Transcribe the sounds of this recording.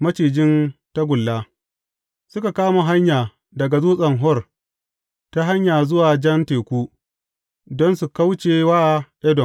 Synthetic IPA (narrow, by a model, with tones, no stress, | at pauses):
mɐ˦t͡ʃiː˨d͡ʒɪ˦nta˦ɡʷʊ˨lːaː˦ | sʊ˦ka˨kaː˦ma˨ɦa˦ɲjaː˨ | dɐ˨ɡa˨zuː˦sʼɐ˨ŋɦɔ˦r | ta˦ɦa˦ɲjaː˨zʊ˦waː˨d͡ʒɐ˦nteː˨kʷuː˦ | dɔ˦nsu˨ka˦wt͡ʃeː˨waː˦˨ʔɛ˦dɔ˨n